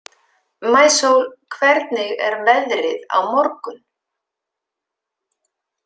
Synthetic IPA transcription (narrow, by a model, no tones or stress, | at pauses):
maːjsowlkʰvɛɾt̪nɪɣɛɾvɛðɾɪða̰wmɔɾkʏn